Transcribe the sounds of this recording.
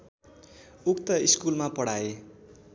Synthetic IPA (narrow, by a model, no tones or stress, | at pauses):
ukt̪ʌiskulmapʌɽae